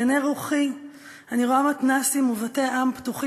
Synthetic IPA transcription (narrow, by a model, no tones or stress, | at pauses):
aneʁuχi | aniʁoamatnasimuvateʔamptuχi